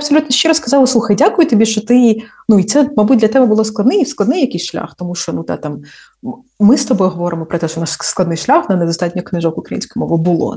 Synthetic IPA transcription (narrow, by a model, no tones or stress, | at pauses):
ɐbsɔlʲut̪nɔʃt͡ʃɛɾɐsskɐzɑlˠslˠuxɐjdʲakʊjʊt̪ɔbʲiʃt͡ʃɔt̪ɪ | nuit̪sɛmɐbut̚ʲdlʲɐt̪ɛbɛbʊlˠɔsklˠɐd̪nɪjsklˠɐd̪nɪjɐkɪsʲʃlʲa̰xt̪ɔmuʃt͡ʃɔnud̪ɑ̰t̪ɑm | mɪst̪ɔbɔjɦɔʋɔɾɪmɔpɾɔt̪ɛʃt͡ʃɔnaʃsklˠɐd̪nɪjʃlʲaxnɐnɛd̪ɔst̪ɑtʲnʲɔknɪʒɔkʊkɾɐjḭnsʲkɔjmɔʋɪbʊlˠɔ̰